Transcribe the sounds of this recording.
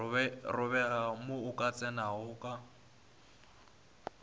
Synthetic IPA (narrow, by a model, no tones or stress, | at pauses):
ɛrʊβɛɣamʊʊkʼat͡sʼɛnaɦʊkʼa